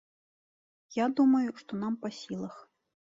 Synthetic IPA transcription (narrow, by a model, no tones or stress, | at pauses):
jad̪umɐjuʂt̪ɔn̪ampɐsʲilˠɐx